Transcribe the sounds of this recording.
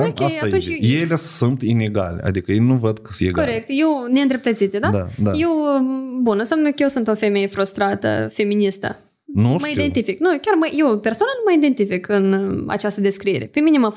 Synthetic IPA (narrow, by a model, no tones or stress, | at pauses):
okʲejatunt͡ʃjejlesunt̪ineɡa̰lḛa̰d̪ikəjejnuvəd̪̚kəsjeɡkoɾek̚t̪je̞wneɨnd̪ɾep̚t̪ət̪sit̪ed̪ad̪ad̪aje̞wbunɨnsʲamnəkəjewsunt̪ofe̞me̞je̞fɾust̪ɾat̪ə̰fe̞minist̪ə̰ | numəid̪e̞nt̪ifiknukʲarməje̞wpe̞rsoanalməid̪e̞nt̪ifikɨna̰t͡ʃast̪əd̪e̞skɾiḛɾe̞peminʲemaf